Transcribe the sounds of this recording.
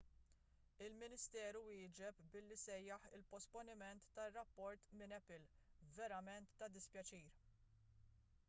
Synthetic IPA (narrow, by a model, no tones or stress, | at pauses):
ɪlmɪnɪst̪ɛːɾuwɪːd͡ʒɛpbɪlːisɛjːɐħɪ̰lpɔspɔnɪmɛnt̪ːɐrːɐpːɔɾt̪mɪnɛpɪlvɛɾɐmɛnt̪ːɐd̪ɪspjɐt͡ʃiːɾ